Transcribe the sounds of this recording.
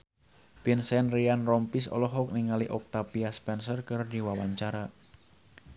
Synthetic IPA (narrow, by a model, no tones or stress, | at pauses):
pinsɛnrianrɔmpisɔ̰lɔɦɔk̚niŋaliʔɔk̚t̪apiaspɛnsərkɨrdiwawaɲt͡ʃaɾa